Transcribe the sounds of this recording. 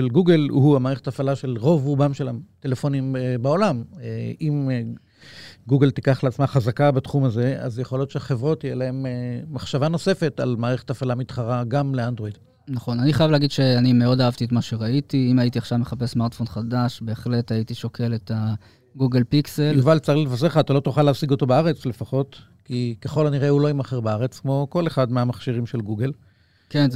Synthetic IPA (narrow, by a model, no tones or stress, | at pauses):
ʃelɡuɡelhuamaːʁeχetafalaʃe̞lʁo̞vʁubamʃelamt̪elefonimbaolameʔim | ɡuɡelt̪ikaχleat͡smaχazakabat̪χumaze̞a̰zjeχolo̞t̪ʃeaχevʁo̞tijelae̞meːaχʃavano̞se̞fe̞ta̰lmaːʁeχe̥tafalamit̪χaʁaɡamleand̪ʁo̞id̥̪ | naχo̞naniχajavleaɡid̪ʃe̞anime̞o̞daavt̪iet̪maʃe̞ʁaitiimaitiaχʃavmeχape̞smaʁtfo̞nχadaʃbe̞ːχle̞tait̪iʃo̞kʰe̞leta | ɡuɡelpikselvalt͡salilevas̬eʁχaːt̪alo̞t̪uχaleaːsiɡo̞t̪o̞beaʁe̞t͡sle̞faχo̞t | kikeχo̞laniʁeulo̞imaχeʁbaaʁet͡skmo̞ko̞leχad̪meamaχʃiʁimʃelɡuɡe̞l | ken